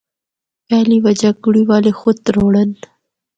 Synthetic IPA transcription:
paːliwɐd͡ʒakuɽiwɑːlexʊt̪ɾoɽən

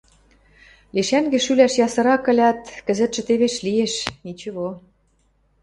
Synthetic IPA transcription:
liʃæŋɡĕʃylæʃjɑsɤ̆ɾɑkə̆lʲɑt̪kə̆zə̆t̪ʃɘ̆t̪eβeʃlijeʃit͡ɕə̆βo

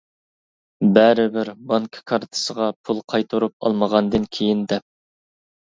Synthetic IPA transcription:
bæɾɪbɪɾbɑŋkʰə̥kʰɑɾt̪ʰə̥səʁɑpʰulˠqʰɑjt̪ʰuɾup̚ɑ̰lˠməʁɑnd̪ɨnkʲʰejind̪ɛp̚

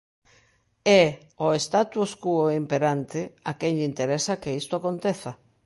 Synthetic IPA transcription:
ɛ | oest̪at̪uoskuoimpeɾant̪ɪakeɲʎint̪eɾesakeist̪oakont̪eθa

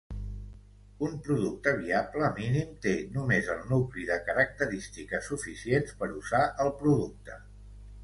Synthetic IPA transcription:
umpɾuðuk̚t̪əβ̞iabləːminimt̪enumezəlˠnukliðəkəɾək̚t̪əɾist̪ikəsufisienspəɾuzaʔəlˠpɾuðuk̚t̪ə

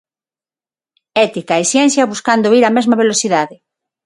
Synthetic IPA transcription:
ɛt̪ikaesjɛn̟θjɐβuskand̪oiɾɐmɛzmɐβelosiðaðɪ

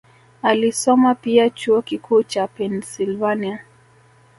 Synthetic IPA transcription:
alisɔmapiat͡ʃuɔkikuːt͡ʃapɛnsilvania

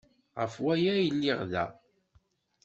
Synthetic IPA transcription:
ʁəfwæjæjəlːɪʁðæ̰

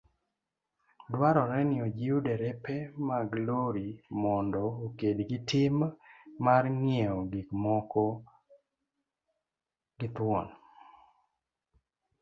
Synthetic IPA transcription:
dwaɾɔɾɛnɪɔd͡ʒiudɛɾɛpɛmaɡloɾimɔndɔokedɡɪtɪmː | arŋjɛɔɡikmɔkɔ | ɡɪt̪wɔ̰n

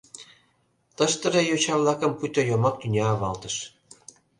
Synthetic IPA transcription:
t̪ə̆ʃt̪ə̆rejot͡ɕɑvlˠɑkə̆mput̪ojomɑk̚t̪ynʲeɑβɑlt̪ə̆ʃ

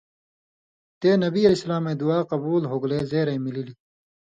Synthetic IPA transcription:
t̪eːnɐbiɐlesɐlaːmed̪uaːqɐbuːlɦoɡleːzeːɾɐjmilili

